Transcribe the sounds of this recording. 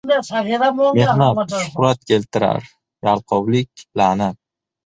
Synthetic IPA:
saiɾamenat̪ʃʊχɾat̪̚kʲʰe̞lt̪ʰɪɾa̰ɾ | jalˠqʰɒwlɪkʲlanap

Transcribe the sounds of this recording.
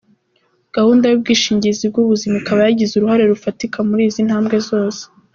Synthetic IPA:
ɡ̥ahuːndajub̚ɡiːʃiːɲɟizibɡuβuzimakaβajaɟizuɾuhaɾe̞ɾufatikʰamuɾiːzinhaːmbɡe̞zo̞ːse̥

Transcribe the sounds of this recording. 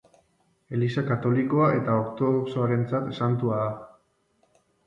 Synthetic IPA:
e̞lisakat̪o̞liko̞aʔe̞t̪aokt̪o̞ðoksoaɾe̞nt͡sat̪e̞sant̪uaða

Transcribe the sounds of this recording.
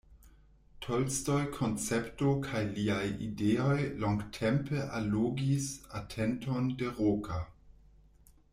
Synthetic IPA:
tʰolstojkʰont͡sɛptokʰajliajḭdeojloŋɡtʰɛmpəʔaloɡisatʰɛntondeʁokʰa

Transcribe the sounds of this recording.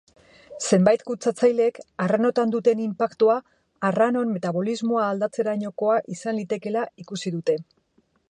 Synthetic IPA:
se̞mbajt̪kut͡sat͡sajle̞kareno̞t̪and̪ut̪e̞nimpakt̪uaː | rano̞nme̞t̪aβo̞lizmo̞aːld̪at͡se̞ɾaɲo̞ko̞aʔisanlit̪e̞ke̞laikusiðut̪e̞

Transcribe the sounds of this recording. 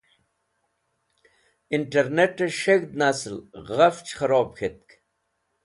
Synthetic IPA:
iɳʈeɾneʈeʃeɡd̪nɐslɣɐft͡ɕxɐɾoːbxʰet̪̚k

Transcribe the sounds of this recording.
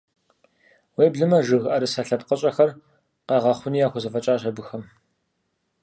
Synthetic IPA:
weːbɮɨmɐʒɨɣʔɐɾɨsɐɬɐpqəɕʼɐxɐr | qɑːʁɐχʷʊniːjaːxʷʊzɐfɐt͡ʃʼaːɕɐbɨxɐm

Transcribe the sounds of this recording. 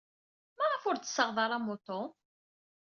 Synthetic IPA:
mæʁəfʊɾt͡sːə̥sːəʁðˤɑɾˤæmot̪o

